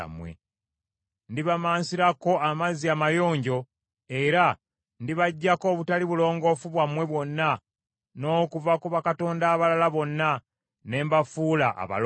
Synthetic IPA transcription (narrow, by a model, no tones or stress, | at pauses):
mwḛ | ndiβamaːnsiɾako̞amaziamajo̞ːɲɟo̞ | e̞ɾa | ndiβaɟːako̞βutaliβulo̞ːŋɡo̞fuβwamwe̞βwo̞nːa | no̞ːkuvakuβakato̞ːndaːβalalaβo̞nːa | ne̞ːmbafuːlaʔa̰βa̰l